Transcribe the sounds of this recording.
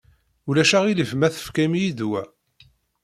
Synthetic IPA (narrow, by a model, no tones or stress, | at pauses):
ulæʃæʁiləvmæθə̥fkæmijid̪wæ